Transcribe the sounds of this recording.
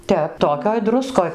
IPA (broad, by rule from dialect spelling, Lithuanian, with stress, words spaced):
ˈtʲɛp ˈtoːkʲoːj ˈdrʊskoːj